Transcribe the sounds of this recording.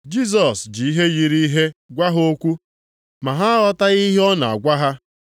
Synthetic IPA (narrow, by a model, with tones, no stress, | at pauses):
d͡ʒi˦s̬ɔ˨sd͡ʒi˨i˦ɦe˦ɣi˨ɾi˦ɦe˦ɡʷa˦ɦo˦kʷu˦ | ma˨ɦa˦ɔ˦ta˦ɣi˦ɦɔ˦na̰˨a̰˨ɡʷa˦ɦa˦